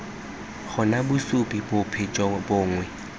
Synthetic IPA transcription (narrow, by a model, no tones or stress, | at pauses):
χʊnabʊsʊpʼibʊpʰet͡ʃʼɔbʊːŋwɛ